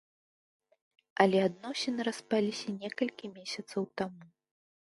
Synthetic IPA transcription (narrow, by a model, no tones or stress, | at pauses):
ɐlʲɛad̪nɔsʲɛnɨɾaspalʲisʲɐnʲɛkɐlʲkʲimʲesʲɐt̪sɐwt̪amu